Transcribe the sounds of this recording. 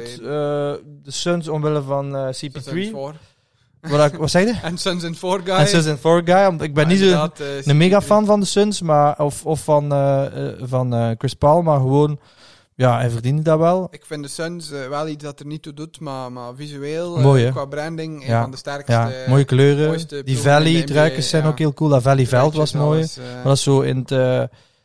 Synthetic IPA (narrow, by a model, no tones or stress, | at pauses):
tədəsønsɔmʋɪləvɑnːsipitɹi | ʋɔdʋɔtsɛɣdənsønsɛnforɡɛnssøns̬ɛnfɔɹɡajɔmɪɡ̚bɛnnːis̬odəmeɣafɑnvɑndəsønsmaɔfɔfːɑnəvɑnəːkrɪspɔlˠmarɣəʋoːn | jaːɛvərdintədaʋɛlˠɪkfɪndəsønsʋɛlˠisdɑtənitudutmamavizyeːlˠmoːjəkʋabɾɛndɪŋjadəstɛrkjaːmoːjəkløːrəjtdivɛlidrœːkəssɛjnoːkɦeːlˠkulˠdavɛlivɛlˠtʋɑsmoːjəmadɑssoːɪ̰nətəː